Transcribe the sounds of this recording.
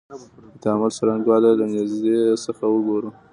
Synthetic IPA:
t̪amalsaɾaŋɡ̪wɑlalanɪzd̪esəxawəɡoɾu

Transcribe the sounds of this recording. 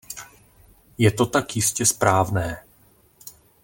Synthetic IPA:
jɛt̪o̞t̪akjɪscɛspɾaːvnɛː

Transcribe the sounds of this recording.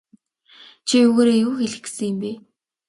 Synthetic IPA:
t͡ɕʰiɵɣoːɾeːjuːxeɮɘ̆ksɘ̆ŋjɪ̆mpe

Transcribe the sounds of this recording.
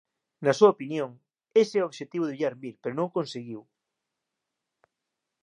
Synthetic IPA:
nɐsuaopinjoŋ | esɛoβʃet̪iβʊðeβiʎaɾmilpeɾonõŋkonseɣiw

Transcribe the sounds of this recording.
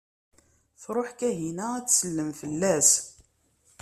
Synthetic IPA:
θɾˤoħkæɦinææt͡sːsəlːəmfəlːæs

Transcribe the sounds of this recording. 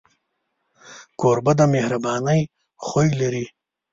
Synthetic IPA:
koɾbad̪amehɾabɑːnəj | χojlaɾi

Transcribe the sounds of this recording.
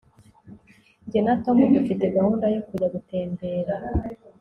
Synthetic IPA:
ɲɟienato̞muɡifite̞ɡahuːndajo̞kuɟaɡute̞ːmbe̞ːɾa

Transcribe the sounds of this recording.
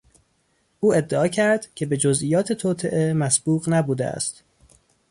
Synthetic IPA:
ʔuːe̞d̪ːeɒːcʰæɾd̪̥cʲʰe̞be̞d͡ʒozʔijɒːt̪ʰet̪ʰoːt̪ʰeʔemæsb̥uːɣnæbuːd̪ḛæ̰st̪

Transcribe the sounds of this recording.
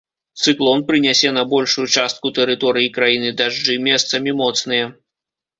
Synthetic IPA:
t̪sɨklˠɔnpɾɨnʲasʲɛnɐbɔlʲʂujut͡ʂast̪̚kut̪ɛɾɨt̪ɔɾɨjikɾajinɨd̪aʐd͡ʐɨmʲɛst̪sɐmʲimɔt̪snɨjɐ

